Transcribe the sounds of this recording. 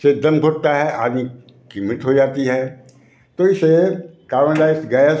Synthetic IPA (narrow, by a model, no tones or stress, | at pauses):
sed̪ɐmbʱʊɾ̚t̪aɦɛʔa̰ːd̪ni | kimɪʈɦod͡ʒaːt̪iɦɛː | t̪oːɪsekaːɾənlaːɪsɡɛː